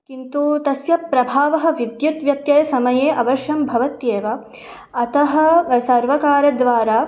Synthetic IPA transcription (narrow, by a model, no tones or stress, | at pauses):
kint̪ut̪ɐsjɐpːɾɐbʱaːʋɐɦɐ̆ʋid̪jɐt̪ʋjɐtt̪jɐjɐsɐmɐjeːʔɐʋɐʃjɐmbʱɐʋɐt̪jeːʋɐ | ɐt̪ɐɦɐ̆sɐɾʋɐkaːɾɐd̪ʋaːɾaː